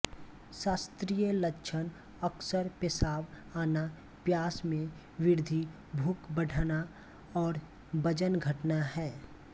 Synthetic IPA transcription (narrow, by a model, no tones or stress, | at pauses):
ʃaːst̪ɾijələkʃʰən | əksəɾpɪsaːʋ | aːna | pjaːsmẽ | ʋɪɾd̪ʱi | bʱuːkbəɖʱna | ɔːɾ | bəd͡ʒənɡʱəʈnaɦɛː